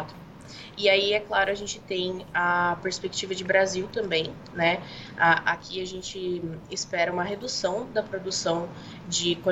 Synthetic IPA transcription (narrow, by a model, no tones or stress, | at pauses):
t̪ʊ | ɪaiɛklaɾʊɐʒẽnt͡ʃɪt̪ẽj̃apeɾspek̚t͡ʃivɐd͡ʒɪbɾaziwt̪ɐ̃mbẽj̃ | nɛaʔakʲʰiaʒẽnt͡ʃɪːspɛɾɐũmɐɦed̪usɐ̃w̃d̪ɐpɾod̪usɐ̃w̃ | d͡ʒɪkõ